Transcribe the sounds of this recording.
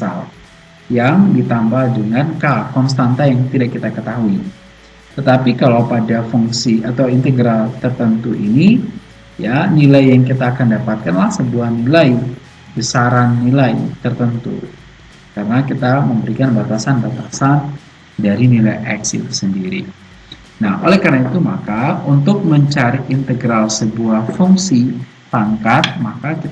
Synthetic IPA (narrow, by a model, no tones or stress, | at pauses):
sa̰l | jaŋdit̪ambaldəŋankakɔnst̪ant̪ajaŋt̪idaʔkːit̪akət̪aɦui | t̪ət̪apikalawpadafuŋsiat̪awint̪əɡɾalt̪ərt̪ənt̪uʔini | janilajːaŋkit̪aːkandapat̪̚kanlahsəbuahnilaj | bəsaɾanːilajt̪ərt̪ənt̪ṵ | kaɾənakit̪aməmbəɾikanbat̪asanbat̪asan | daɾinilajʔɛ̰ksit̪u̥səndiɾḭ | naho̰lɛhkarnait̪umakaunt̪ʊk̚məɲt͡ʃaɾiint̪əɡɾalsəbuahfuŋsi | paŋkat̪̚makakit̪